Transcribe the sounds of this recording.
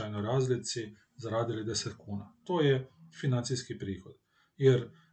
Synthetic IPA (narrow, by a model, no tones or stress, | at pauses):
ajnɔjɾaːzlit̪si | zaɾaːd̪ilid̪esɛt̪kuːna̰t̪oːjɛfinant̪siskipɾiːxod̪̥ | jɛɾ